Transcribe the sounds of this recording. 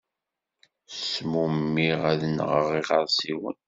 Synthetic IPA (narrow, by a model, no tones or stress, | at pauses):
smumːiʁæðənʁəʁiʁəɾˤsiwə̰n